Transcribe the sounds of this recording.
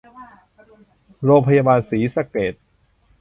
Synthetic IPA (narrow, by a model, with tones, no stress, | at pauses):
ɾoː˧ŋpʰa˧jaː˧baː˧nsiː˩˦sa˧keː˨˩t̪̚